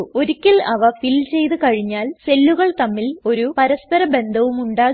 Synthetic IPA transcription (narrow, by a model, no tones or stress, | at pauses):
o̞ɾikʲːilɐʋɐfilt͡ɕe̞jt̪ɨkɐɻiɲːaːlse̞lːuɣɐɭt̪ɐmːilo̞ɾupɐɾɐspɐɾɐbe̞nd̪ʱɐʋumuɳɖaː